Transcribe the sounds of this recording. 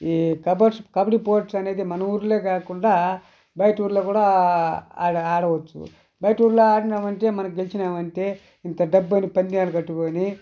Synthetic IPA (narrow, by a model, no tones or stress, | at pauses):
ikɐbɐʈskɐbiʈipoːʈsɐne̞ːd̪imɐnɐuːɾuleːkaːkuɳɖaː | bɐjɐʈuːɾloːkuːɽa | aːɽɐʋɐt͡ʃːṵ | bɐjʈuːɾloːaːɽinaːʋɐɳʈe̞ːmɐnɐk̬uɡelit͡ʃinaːʋɐɳʈe̞ː | int̪ɐɖɐbːɐnipɐnd̪iaːlɐkɐʈːukoːni